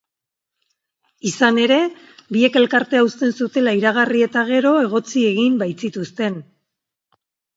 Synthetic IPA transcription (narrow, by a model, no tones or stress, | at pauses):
isane̞ɾe̞ | bie̞ke̞lkaɾt̪e̞aust̪e̞nsut̪e̞laiɾaɣ̞arie̞t̪aɣ̞e̞ɾo̞e̞ɣ̞o̞t͡sie̞ɣimbajt͡sit̪ust̪e̞n